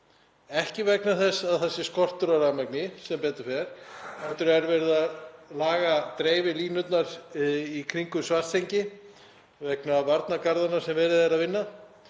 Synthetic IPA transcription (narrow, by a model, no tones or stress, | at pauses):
ɛhcɪvɛknaθɛsːaðθɛsːɪskɔr̥t̪ʏɾaɾamɛk̚nɪsɛmpɛːt̪ʏ̥fɛɾ̥aft̪ʏɾɛɾvɛɾɪðalaːɣat̪ɾeːjvɪliːnʏt̪naɾikʰɾiŋkʏsvar̥st̪ʰejɲcɪ | vɛknavaɾt̪nakaɾðanaɾ̥sɛmvɛːɾɪðɛɾaðvɪnːa